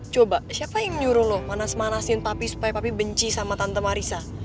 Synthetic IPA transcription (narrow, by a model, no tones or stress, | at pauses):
t͡ʃobasiapajaŋməɲuɾʊhlʊhmanasmanasɪnpapisu̥pajapapibəɲt͡ʃisamat̪ant̪əmaɾisa